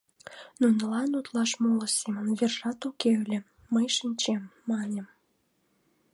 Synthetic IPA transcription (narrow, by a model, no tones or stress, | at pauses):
nunəlɑnut̪lɑʃmoləseməmverʒɑt̪ukelʲĕː | əjʃinʲt͡ɕemːɑnʲəm